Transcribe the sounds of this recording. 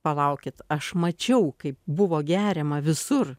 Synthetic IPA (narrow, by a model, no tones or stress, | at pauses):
pɐlˠɐʊkʲɪt̪ɐʃmɐt͡ʃʲɛʊkɐɪp̚bʊʋoːɡʲæːɾʲɛmɐʋʲɪsʊr